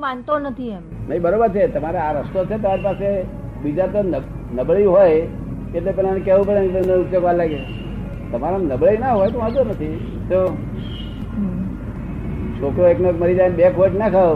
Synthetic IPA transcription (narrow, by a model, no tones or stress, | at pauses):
mant̪onət̪ʰia | naɦibəɾobəɾt͡ʃʰet̪əmaɾaaɾəst̪oset̪əmaɾipase | bid͡ʒat̪ənə | nəbɭəiɦoj | ket̪lepɛlanekeʋupəɽent̪ənəut̪joɡʋalaɡe | t̪əmaɾanəbɭəinaɦojt̪omad͡zonət̪ʰi | so | sokɾoeknəkməɾid͡zanbekʰoʈnakʰəʋ